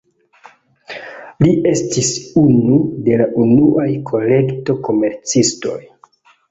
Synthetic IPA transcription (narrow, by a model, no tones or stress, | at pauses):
liʔe̞stisunude̞laʔunuʔajkʰo̞le̞kto̞ko̞me̞ɾt͡sisto̞̰j